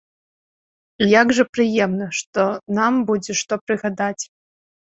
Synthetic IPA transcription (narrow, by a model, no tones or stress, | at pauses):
ijaɡʐɨpɾɨjɛmnɐʂt̪ɔnambud͡zʲɛʂt̪ɔpɾɨɣad̪at͡sʲ